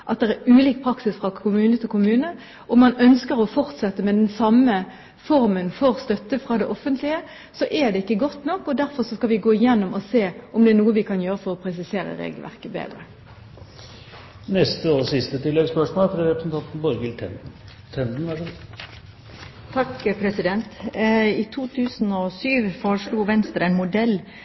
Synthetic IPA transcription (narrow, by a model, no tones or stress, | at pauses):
ʔɑt̪̚d̪ɛæɾʉːliːk̚pʰɾɑksɪsfʁɑkʰʊmʉːnət̪ʰɪlkʊmʉːnə | ʔɔmɑnœnskəɾɔfɔʁt̪sɛt̪ːəmɛd̪ɛnsɑmə | fɔʁmənfɔʁst̪œt̪ːəfʁɑːd̪ɛʔɔfənt̪ʰlɪə | sɔʔɛd̪ɛɪkːəɡɔt̪ːnɔkːɔd̪æɾfɔʁsɔskɑʋɪɡoːɪjɛnːʊmʔɔseːɔmd̪ɛːnuːəʋɪkʰɑnjøːɾəfɔʁɔpʰʁɛs̬ɪseːɾə̰ɾḛːɡəlʋæ̰ʁkəbḛːd̪ɾə | nɛst̪əɔsɪst̪ət̪ɪlːɛɡspœʂmoːlfɾɑɾɛpɾəsnt̪ʰɑnt̪n̩bɔɾɡəlt̪ʰɛnd̪n̩ | t̪ʰɛnd̪n̩æ | t̪ʰɑkːpʰɾɛsɪd̪ɛnt̪ɪt̪ʰuːt̪ʰʉːsn̩ɔsyːʋfɔɾʂɭuːʋɛnst̪əɾæɪnmʊd̪ɛlː